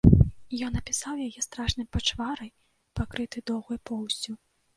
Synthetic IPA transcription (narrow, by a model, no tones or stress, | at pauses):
jɔnɐpʲisawjajɛst̪ɾaʂnɨmpat͡ʂvaɾɐj | pakɾɨt̪ɨd̪ɔwɣujupɔwsʲu